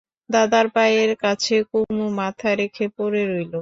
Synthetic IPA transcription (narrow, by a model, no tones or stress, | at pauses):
d̪ad̪aɾpajeɾkat͡ɕʰekumumat̪ʰaɾekʰepoɾeɾojlo